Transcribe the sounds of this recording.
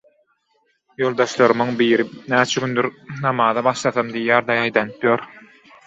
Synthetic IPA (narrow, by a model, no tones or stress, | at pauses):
jo̞lˠd̪ɑʃlˠɑɾɯmɯŋbiːɾinæːt͡ʃʰæɡynd̪yɾnɑmɑːðɑbɑʃlˠɑθɑmd̪ijjæːɾd̪ɑjɑjd̪ɑnɯpjoɾ